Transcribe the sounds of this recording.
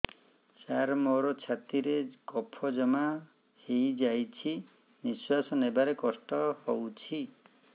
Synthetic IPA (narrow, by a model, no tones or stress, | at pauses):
saɾmɔɾɔt͡ʃʰat̪iɾeɡɔpʰɔd͡ʒɔma | hejd͡ʒajt͡ʃʰi | niswasɔnebaɾekɔsʈɔhɔwt͡ʃʰi